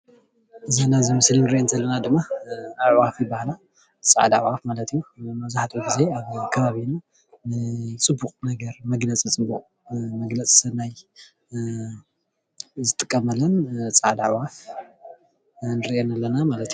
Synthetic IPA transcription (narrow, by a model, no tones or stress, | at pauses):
ʔɨzanazɨmɨslinɨɾiʔent̪ʰɐlːɐnad̪ɨmːaawafibahla | t͡sʼa̰ʕd̪a̰ʕwafmalɐt̪ijːumɐzaħt̪ʰuɡize̞aβkʰɐβaβina | nɨt͡sʼɨbːuqʼnɐɡɐɾmɐɡlɐt͡sʼit͡sʼɨbːuχʼ | mɐɡlɐt͡sʼsɐnaj | zɨt̪ʼɨkʼːɐmɐlɐnt͡sʼaʕd̪aʕwaf | nɨɾiʔenalːɐnamalɐt̪ju